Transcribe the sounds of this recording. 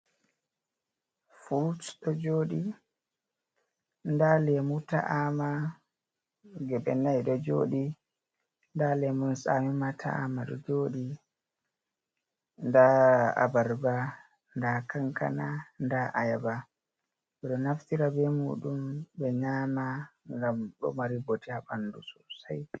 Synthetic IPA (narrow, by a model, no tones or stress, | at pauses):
fultɗɔd͡ʒoːɗi | ndalɛmuta̰ʔama | ɡɛɓɛnajɗɔd͡ʒo̰ːɗi | ndalɛmunsamimatʰa̰a̰maɗɔ̰d͡ʒoːɗi | ndaa̰baɾba | ndakaŋka̰nandaʔajaba | ɓɛɗɔnaftiɾabɛmṵːɗumbɛɲaːmaŋɡamɗɔ̰maɾibotiabandusɔsaj